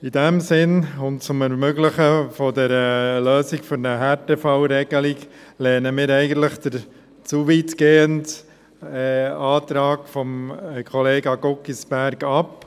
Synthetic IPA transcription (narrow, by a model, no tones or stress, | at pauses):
idæmsɪnʊnt̚t͡sʊmɛɾmøɡlɪχəfɔdɛɾəløːsikfʏɾnəɦɛtefaʊɾɛɡ̥əlikleːnəmɪːɾɛɪɡən̩t̪ləχd̥̪əɾ | t͡suʋitɡ̥eːəntː | ɑːtɾɑːɡfɔmkʰχɔleːɡɑɡɔkisbæɾɡɑp